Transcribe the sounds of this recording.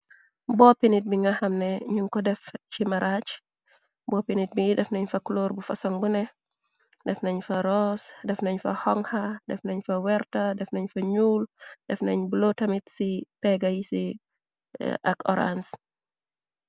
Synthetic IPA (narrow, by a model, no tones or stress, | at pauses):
bɔːpinit̚biŋahɐmnɛɲuŋkɔdɛft͡ʃimɐɾʔat͡ʃ | bɔːpinit̚bijidɛfnɐɲfɐklɔːɾbufɐsɔŋbunɛ | dɛfnɐɲfɐɾɔsdɛfnɐɲfɐ̰hɔŋhɐdɛfnɐɲfɐwɛɾtɐdɛfnɐɲfɐɲuːldɛfnɐɲbulotɐmitsipɛɡɐjisi | ʔɐ̰kɔ̰ɾa̰ns